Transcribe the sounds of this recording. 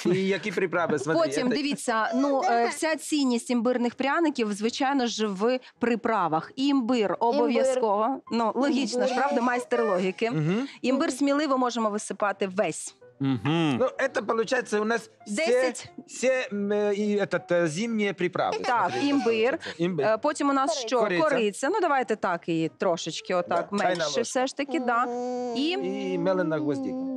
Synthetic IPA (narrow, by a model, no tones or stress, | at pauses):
ijɐkʲipɾʲɪpɾɑʋɪʋɐpoɔtʲimd̪ɪʋʲit͡sʲːɐnuwsʲat͡sʲijnʲːisʲtʲimbɪrnɪxpɾʲanɪkʲiwzʋɪt͡ʃɑjnɔʒʋpɾɪpɾɑʋɐximbɪrɔbɔʋjɐskɔʋɐnulˠɔɦʲit͡ʃnɐʃpɾɑʋd̪ɐmɐjst̪eɾlˠɔɦʲikɪɦ̩imbɪrsʲmʲilˠɪʋɔmɔʒemɔʋɪsɪpɑt̪ɪʋɛsʲ | m̩ɦ̩nuɛt̪ɐpɔlˠʊt͡ʃajet͡sʲːɐʊnɑs | d̪ɛɛsʲɐtʲsʲɛiɛt̪ɐt̪zʲimnʲijɛpɾʲɪpɾɑ̰ʋɪ̰t̪ɑkimbɪrimbpɔtʲimʊnɑsʃt͡ʃɔɾkɔɾɪt͡sʲːɐnud̪ɐʋɑjt̪ɛt̪ɑkit̪ɾɔʃɪt͡ʃkɪɔt̪ɑkmɛjʃʃɛfsɛʃt̪ɐkʲɪd̪ɑimɛlˠɪnɐɣʋɔzʲdʲik